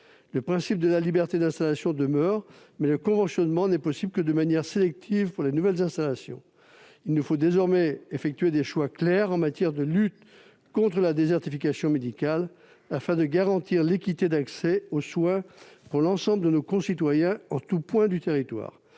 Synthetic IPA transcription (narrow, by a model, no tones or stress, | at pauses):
ləpχɛ̃sip̚d̪əlalibɛʁt̪ed̪ɛ̃st̪alasjɔ̃d̪əmœʁ | mɛləkɔ̃vɑ̃sjɔnmɑ̃nɛpɔsiblkəd̪əmanjɛʁselɛk̚t̪ʰivpuʁlenuvɛlzɛ̃st̪alasjɔ̰̃ | ilnufod̪ezɔʁmɛefɛk̚t̪yɥed̪eʃwaklɛʁɑ̃mat̪jɛʁd̪əlyt̪ | kɔ̃t̪χəlad̪ezɛʁt̪ifikasjɔ̃med̪ikal | afɛ̃d̪əɡaʁɑ̃t̪iʁlekʲit̪ed̪aksɛoswɛ̃puʁlɑ̃sɑ̃bləd̪ənokɔ̃sit̪wajɛ̃ɑ̃t̪upwɛ̃d̪yt̪eʁit̪wa̰ːʁ